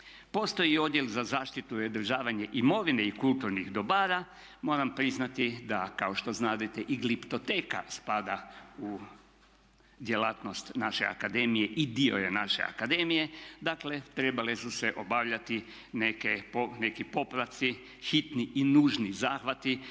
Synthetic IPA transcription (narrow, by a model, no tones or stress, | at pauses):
po̞st̪o̞jio̞d̪jelzazaːʃt̪it̪ued̪r̩ʒaːʋaɲeʔimo̞ʋineikulˠt̪uɾnixd̪o̞baːɾa | mo̞ːɾampɾiznat̪id̪akao̞ʃt̪o̞znaːd̪et̪eʔiɡlipt̪o̞t̪eːka̰spad̪au | d̪je̞laːt̪no̞st̪naʃea̰kad̪e̞ːmijeʔid̪io̞̰jenaʃe̞̰a̰kad̪e̞mije̞d̪akle̞t̪ɾe̞balesuseʔo̞baːʋʎat̪i | nekeone̞kipo̞pɾat̪si | xit̪niʔinuːʒnizaːxʋat̪i